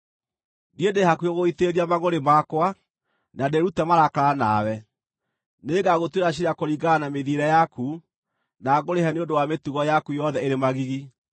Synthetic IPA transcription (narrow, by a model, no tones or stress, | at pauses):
diedehakuoɣoiteɾiamaɣoɾemakwa | nadeɾutɛmaɾakaɾana̰wɛ | neːɡaɣotweɾaɕiɾiakoɾiɣɡanameðieɾɛjaku | naɣoɾeɦɛneondowametuɣɔjakujɔðɛeɾemaɣiɣi